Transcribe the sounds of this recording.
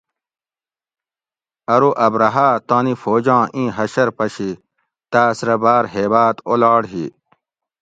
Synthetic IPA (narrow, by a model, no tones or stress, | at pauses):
ɐɾuʔɐbɾɐɦaːt̪ãːnifoːd͡ʑɑ̃ːʔĩːɦɐɕɐɾpɐɕi | t̪aːsɾɐbaːɾɦeːbaːt̪olaːɽɦḭ